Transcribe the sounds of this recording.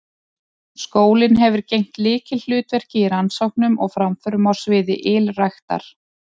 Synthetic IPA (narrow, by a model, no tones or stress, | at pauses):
skoːwlɪnɦɛvʏɾcejŋ̥t̪lɪːcɪll̥ʏːt̪vɛr̥cɪiɾansowknʏmɔɣfɾamfœɾʏmaw̥svɪːðɪ̰ʔɪlrajxt̪a̰ɾ̥